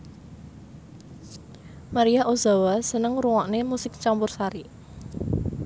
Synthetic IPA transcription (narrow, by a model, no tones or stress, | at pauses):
maɾiaʔozawasənəŋɾuŋɔʔnemusɪk̚t͡ʃampʊrsaɾi